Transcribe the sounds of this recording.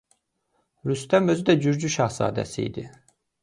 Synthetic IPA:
ɾyst̪æmø̞zyd̪æd͡ʒyɾd͡ʒyʃɑhsɑ̰ːd̪æ̰sḭḭd̪i

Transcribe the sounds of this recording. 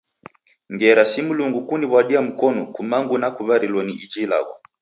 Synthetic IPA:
ŋɡɛɾasimuluŋɡukuniβwaɗiam̩kɔnɔkumaŋɡunakuβaɾilwɔniʔid͡ʒila̰ɡɔ

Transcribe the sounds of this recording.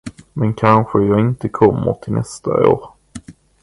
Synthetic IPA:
mɛnkʰanɧəjɑːɪnt̪əkʰɔmːə̰ɾʈ̪ʰɪlnʔɛ̰st̪ʰa̰oːɾ

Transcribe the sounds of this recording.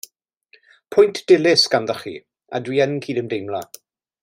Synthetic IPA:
pʰʊjntʰd̥ɪlɪsɡ̥anðɔχḭ | a̰dwiːənkʰiːdəmdejmla

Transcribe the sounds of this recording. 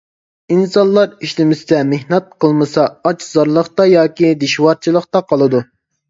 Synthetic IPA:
insɑnlˠɑɾiʃlɪmɪsɪd̪ɛmehnɛt̪̚qʰəlˠmɨsɑɑt͡ʃʰzɑɾlˠəχt̪ɑjɑːkʲid̪eʃwɑɾt͡ʃʰilˠəqt̪ɑqʰɑlˠɨd̪u

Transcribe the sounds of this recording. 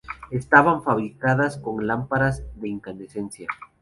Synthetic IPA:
est̪aβaɱfaβɾikaðasko̞ŋlampaɾazðe̞iŋkanesensja

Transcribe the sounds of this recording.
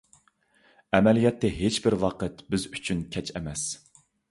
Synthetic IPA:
ɛmɛlijɛt̪ʰːɛɦet͡ʃbɪɾwɑqʰət̪bɪzyt͡ʃʰynkʲʰɛt͡ʃʰɛmɛs

